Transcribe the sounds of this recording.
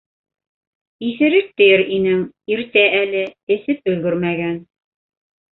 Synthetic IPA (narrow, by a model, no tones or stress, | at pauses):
iθɘ̆ɾɘk̚t̪ɘ̆jɘɾinɘŋ | iɾt̪æʔælɘɘ̆θɘp̚ɵ̆lɡɵɾmæɡæn